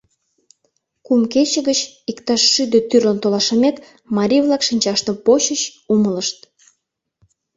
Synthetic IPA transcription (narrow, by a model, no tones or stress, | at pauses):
kumket͡ɕə̆ɣət͡ɕikt̪ɑʃːyd̪et̪yrlənt̪olɑʃəmek | mɑɾʲivlɑkʃinʲt͡ɕɑʃt̪əmpoɕəɕumələʃt̪